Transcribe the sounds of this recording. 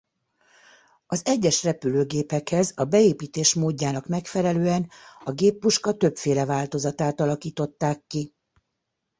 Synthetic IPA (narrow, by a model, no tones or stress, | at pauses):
ɒzɛɟːɛʃrɛpyløːɡeːpɛkhɛzɒbɛeːpiːt̪eːʃmoːɟːaːnɒkmɛkfɛlɛløːɛnɒɡeːpːuʃkɒt̪ø̞pfeːlɛvaːlt̪o̞zɒt̪aːt̪ɒlɒkiːt̪o̞t̪ːaːkːi